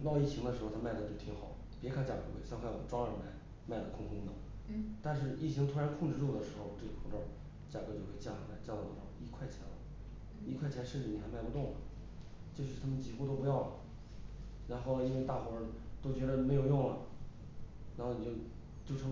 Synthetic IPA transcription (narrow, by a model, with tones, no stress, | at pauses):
t̪ɑ˥˧i˥˩t͡ɕʰi˧˥ŋd̪ə˧ʂɻ̩˧˥xo˧ʊ˥ma˥˩ɪd̪ə˩t͡ɕjo˥˩ʊt̪ʰi˧˥ŋxɑ˨˩˦ | pjɛ˧˥kʰa˥˩t͡ɕja̰˨˩kɤ˧˥xwe˥˩ɪɕjɑ˥˧ŋkʰa˥˩wɔ̰˨˩ʈ͡ʂwɑ˥ŋə˞˨˧˩ma˧˩ɪ | ma˥˩ɪlə˨˩kʰʊ˥ŋkʰʊ˧˥ŋd̪ə̰˨ | t̪a˥˧nʂ̬ɻ̩˥˧i˥˩t͡ɕʰi˧˥ŋt̪ʰu˥ɻa˧˥nkʰʊ˥˧ŋʈ͡ʂɻ̩˥˧ʈ͡ʂu˥˩d̪ə˩ʂɻ̩˧˥xo˥˧ʊʈ͡ʂɤ˥˩ɡə˨˩kʰʊ˥˧ŋʈ͡ʂo˥˩ | t͡ɕja˨˩kɤ˧˥t͡ɕjo˥˧ʊkʰe˥˩ɪt͡ɕja˥˩a˨˩la˧˥ɪt͡ɕjt̪ɑ˥˩d̪ə˩ʂɻ̩˧˥xo˥˧i˥kʰwa˥˩ɪt͡ɕʰjɛ˧˥nlə̰˧ | i˥˧kʰwa˥˩ɪt͡ɕʰjɛ˧˥nʂɻ̩˥˩t͡ɕi˧˩ni˩xɪma˥˩ɪpu˧t̪ʊ˥˩ŋlə̰˩ | t͡ɕjʊ˧˥˩t̪ʰa˥mə˨nt͡ɕi˧˥˩xu˥˧t̪o˥ʊp̬jɑ˥˩ʊl | ɻa˧˥nxo˥˩ʊ˩i˥nwe˧t̪a˥˩xwɔ˧˥ɻə˧˥t̪o˥ʊt͡ɕɥɛ˧˥ɾə˧me˧˥ɪjo˨˩ʊjʊ˥˩ŋlɐ˩ | ɻa˧˥nxo˥˩ni˨˩t͡ɕo˥˩ʊ | t͡ɕjo˥˩ʊʈ͡ʂʰɤ˧˥ŋ